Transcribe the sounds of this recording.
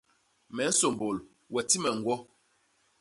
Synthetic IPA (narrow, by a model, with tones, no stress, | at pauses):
mɛ˨n̩˦so˨m˨bo˨l | wɛ˨ti˦mɛ˨ŋ̩˨ɡwɔ˦